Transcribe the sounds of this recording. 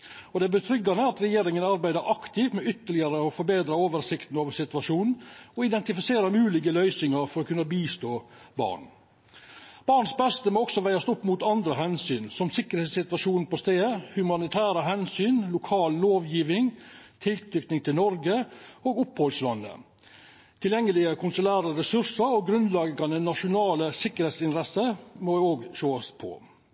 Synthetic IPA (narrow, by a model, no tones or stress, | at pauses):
ɔd̪ɛæbət̪ʰɾʏɡɑnəɑt̪ɾɛjeːɾɪŋənɑɾbæɪd̪əɾʔɑkt̪ʰɪʋmɛʏt̪əɭɪɑɾəɔfɔɾbeːd̪ɾɑoːʋəɾsɪkt̪n̩ɑʋsɪt̪ʉʋɑʂuːnn̩ɔɪd̪ɛnt̪ɪfɪseːɾəɾmʉːlɪɡəlœʏsɪŋɑɾfɔɾɔkʉnɑbiːst̪oːbɑ̰ːɳ | b̥ɑːɳsbɛst̪əmoːɔksɔʋæɪɑst̪ɔpːmut̪ɑnd̪ɾəɦɛnsyːnsɔmsɪkəɾheːt̪sɪt̪ʋɑʂuːn̩pɔst̪eːhʉmɑnɪt̪ʰæːɾəɦɛnsyːnlʊkʰɑːlloːʋjiːʋɪŋt̪ʰɪlt̪ʰɾʏkt̪nɪŋt̪ʰɪlnɔɾɡəoːɡʊphɔlslɑnːə̰ | t̪ʰɪljɛŋːəlɪəkʰʊnsʊlæːɾəɾɛsʉɾsəɾɔɡɾʉnlɑɡɑnənɑʂʊnɑːləsɪkːəɾhet̪sɪnɾɛsəmɔoːɡʃoːɑspʰɔ̰